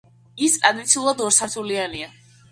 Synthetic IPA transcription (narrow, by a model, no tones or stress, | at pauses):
ist̪ʼɾad̪it̪sʰiulˠad̪ɔɾsaɾt̪ʰuliania